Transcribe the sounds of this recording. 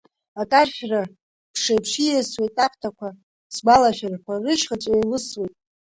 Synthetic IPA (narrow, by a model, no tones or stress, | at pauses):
akʼarʃʲᶣra | pʰʂajpʰʂijaswejtʼapʰtʰakʷʰa | sɡʷalaʃᶣarkʷʰarɨʃχat͡sʷʼajlɨswejtʼ